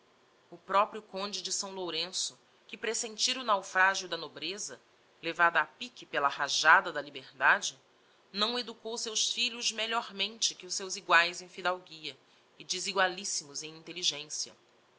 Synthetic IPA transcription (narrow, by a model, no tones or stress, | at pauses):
ʊpɾɔpɾjʊkõnd͡ʒɪd͡ʒɪsɐ̃w̃loɾẽsʊ | kɪpɾesẽnt͡ʃiɾʊnawfɾaʒiʊd̪ɐnobɾezɐ | levad̪ɐapikɪpelɐhaʒad̪ɐd̪ɐlibeɾd̪ad͡ʒɪ | nɐ̃w̃ed̪ukowsewsfiʎʊzmeʎɔɾmẽnt͡ʃɪkɪʊsewziɡwajzẽj̃fid̪awɡiɐ | ɪd͡ʒɪziɡwalisimʊzẽj̃ĩnt̪eliʒẽsiɐ̰